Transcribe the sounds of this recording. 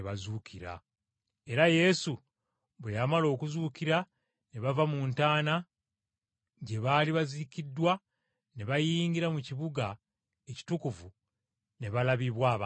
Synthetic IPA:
βazuːkʰiɾa̰ | e̞ɾaje̞su | βwejamalo̞ːkuzuːkiɾa | ne̞βavamuːntaːna | ɟe̞βaːliβazikidːwa | ne̞βajiːŋɡiɾamuciβuɡa | e̞ci̥tukuvu | ne̞βalaβiβwaːβa

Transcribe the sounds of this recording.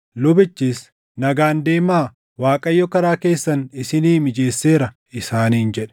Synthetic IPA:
lʊbɪt͡ʃːiːs | nɐɡaːnd̪e̞ːmaː | waːkʼɐjːɔkɐɾaːke̞ːsːɐnɪsɪniːmɪd͡ʒe̞ːsːe̞ːɾɐ | ɪsaːniːnd͡ʒɛᶑɛ̥

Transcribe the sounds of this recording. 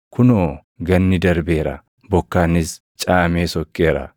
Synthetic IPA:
kʰʊnoː | ɡɐnːɪd̪ɐɾbeːɾɐ̰ | bɔkːaːnːɪs | t͡ʃʼaːmeːsɔkʼːe̞ːɾɐ̰

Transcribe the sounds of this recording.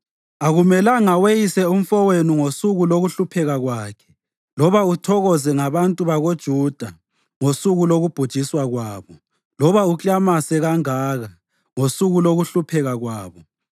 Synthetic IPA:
aɣumɛlaŋawejisɛum̩fɔwenuŋosuɣuloɣuɬupʰɛɣaɣwaːkʰɛ̥ | lɔβautʰɔɣɔzɛŋaβantʼuβaɣod̥ʒ̥ʱuːd̥ʱa | ŋosuɣuloɣub̥ʱud̥ʒ̥ʱiswaɣwaːβɔ | lɔβaut͡ɬʼamasɛɣaŋaːɣa | ŋosuɣuloɣuɬupʰɛɣaɣwaːβɔ

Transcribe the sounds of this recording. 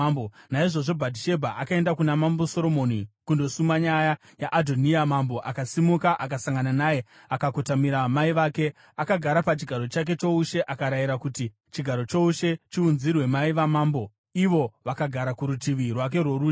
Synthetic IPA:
bonaiʐo̞ʐo̞bʱadʱiʃe̞bʱaʔakae̞ndakunamambo̞so̞ɾo̞monikundo̞sumaɲaja | jaʔːdʱoniamambo̞ʔakasimukaʔak̬asaŋɡananaje̞ | akakotamiɾamaiʋaːke̞ | akaɡʱaɾapat͡ʃiɡʱaɾo̞t͡ʃak̬e̞t͡ʃo̞uʃe̞ʔakaɾajiɾakuti | t͡ʃiɡʱaɾo̞t͡ʃo̞uʃe̞t͡ʃiunzirwe̞maiʋamaːmbo̞ | iʋo̞ʋakaɡʱaɾakuɾutiʋirwak̬e̞rwoɾuː

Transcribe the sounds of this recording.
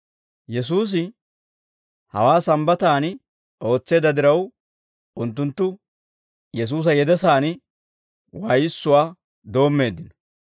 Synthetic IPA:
jɛs̬uːs̬ɪ | hɐ̰waːsɐmbɐt̪aːnɪ | o̞ːt͡sːe̞ːd̪ɐd̪ɪɾɐw | ʊnt̪ːʊnt̪ːʊ | jɛs̬uːs̬ɐjɛd̪ɛsaːnɪ | waːjɪsːʊwaː | d̪o̞ːmːe̞ːd̪ːɪnɔ̥

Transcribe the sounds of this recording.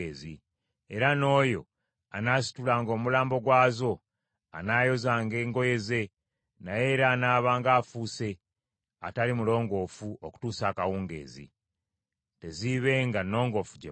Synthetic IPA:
eːzi | e̞ɾano̞ːjo̞̰ | a̰naːsi̥tulaːŋɡo̞ːmulaːmbo̞ɡwaːzo̞ | anaːjo̞zaːŋɡe̞ːŋɡo̞je̞ze̞ | naje̞ɾaːnaːβaːŋɡaːfuːse̞ | a̰talimulo̞ːŋɡo̞ːfuʔoku̥tuːsaːkawuːŋɡe̞̰ːzḭ | te̞ziβe̞ːŋɡano̞ːŋɡo̞fu̥ɟe

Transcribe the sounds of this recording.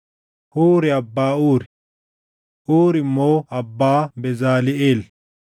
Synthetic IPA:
huːɾɪɐbːaːuːɾɪ | ʔuːɾɪmoːɐbːaːbɛzaːlɪeːl

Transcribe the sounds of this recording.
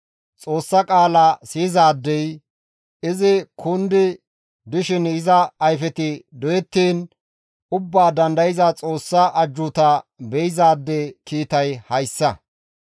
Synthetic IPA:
t͡sʼo̞ːsːɐkʼaːlasiːzaːd̪ːɛj | ɪzɪkʰʊnd̪ɪ | d̪ɪʃɪnɪzɐːjfɛt̪ɪd̪ɔjɛt̪ːiːn | ʊbːaːd̪ɐnd̪ɐjɪzat͡sʼo̞ːsːɐʔɐd͡ʒːʊt̪ɐbɛjɪzaːd̪ːɛkiːt̪ɐjhɐjsːɐ

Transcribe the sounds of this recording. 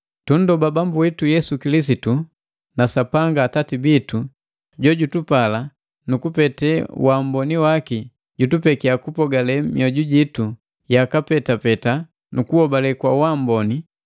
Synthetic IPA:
tun̩dɔbabambuwɛtujɛsukilis̬itu | nasapaŋɡaːtatibitu | ɟɔɟutupala | nukupɛtɛwam̩bɔniwaki | ɟutupɛkiakupɔɡalɛmiɔɟuɟitu | jakapɛtapɛta | nukuɔbalɛkwawam̩bɔni

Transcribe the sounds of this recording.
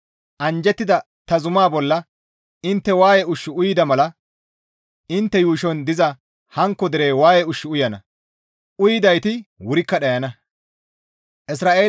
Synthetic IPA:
ʔɐnd͡ʒɛt̪ːɪd̪ɐ | t̪ɐzʊmaːbɔlːɐ | ɪnt̪ːɛwaːjɛʊʃːɪʊjɪd̪ɐmɐlɐ | ɪnt̪ːɛjuːʃɔnd̪ɪzɐ | hɐŋkːɔd̪ɪɾeːwaːjɛʊʃːɪʊjɐnɐ | ʊjɪd̪ɐjt̪ɪwʊɾɪkːɐɗɐjɐnɐ | ʔɪs̬ɾaːʔe̞ː

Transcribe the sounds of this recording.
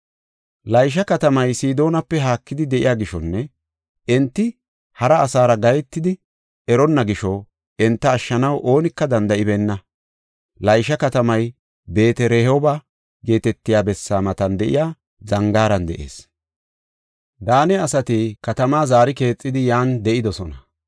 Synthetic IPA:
lɐjʃ̬ɐkɐt̪ɐmɐjsiːd̪o̞ːnɐpːɛɦaːkːɪd̪ɪd̪ɛʔɪ̰jaːɡɪʃɔnːɛ | ɛnt̪ːɪ | hɐɾɐːsaːɾɐɡɐjɛt̪ːɪd̪ɪ | ɛɾɔnːɐɡɪʃɔ | ɛnt̪ːɐːʃːɐnɐwʔo̞ːnɪkːɐd̪ɐnd̪ɐʔɪbɛnːɐ | lɐjʃɐkɐt̪ɐmɐj | be̞ːt̪ɛɾɛhɔba | ɡe̞ːt̪ɛt̪ːɪjaːbɛsːaːmɐt̪ɐnd̪ɛʔɪ̰jaː | zɐŋɡaːɾɐnd̪ɛ̰ʔḛːs | d̪aːnɛɐsɐt̪ikɐt̪ɐmaːzaːɾɪke̞ːt͡sʼːɪd̪ɪjaːnd̪ɛʔɪd̪ɔsɔnɐ

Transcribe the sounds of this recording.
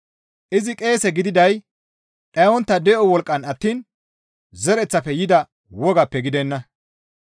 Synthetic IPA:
ʔɪzɪkʼe̞ːsɛɡɪd̪ɪd̪ɐj | ᶑʼɐjwɔnt̪ːɐd̪ɛʔɔwɔlkʼːɐnɐt̪ːiːn | zɛɾɛt͡sːɐpːɛjɪd̪ɐ | wɔɡɐpːɛɡɪd̪ɛnːɐ

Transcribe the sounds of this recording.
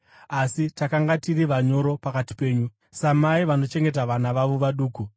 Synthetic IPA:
asitakaŋɡatiriʋaɲo̞ɾo̞pakati̥pe̞ːɲu | samaiʋano̞t͡ʃe̞ŋɡe̞t̬aʋanaʋaʋo̞ʋaɗuːku

